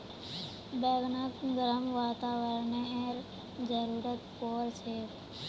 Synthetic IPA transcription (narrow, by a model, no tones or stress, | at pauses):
beːɡnat̪ɡəɾəmʋaːt̪aːʋəɾnẽeːɾ | d͡ʒəɾuːɾət̪poːɾt͡ʃʰeː